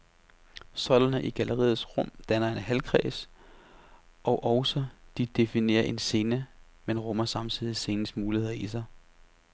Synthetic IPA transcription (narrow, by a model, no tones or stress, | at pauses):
sɒ̽lɐnəʔiɡ̥ælʔəʁḭːð̩ˠsʁɔ̽m̰d̥ænɐe̝nɦælkʰʁɛ̰ːs | ɒ̽ʊʔɒʊsɒd̥id̥e̝fine̝̰ːɐʔe̝nse̝ːnə | menʁɔ̽mɐsɑ̈mt͡sʰið̰ˠise̝ːnəsmuːlihe̝ð̰ˠɐis̬ɑ̈ɪ